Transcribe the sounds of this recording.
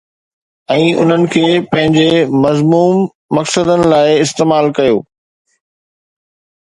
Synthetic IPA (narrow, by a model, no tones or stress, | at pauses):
ɛ̃ːʊ̰n̤ənɪ̆kʰeːpɐ̃ɦɪ̃ɲd͡ʑemɐzmuːmː | ɐksəd̪ənɪ̆laːɪɪst̪eːmaːlkɐjo̰ː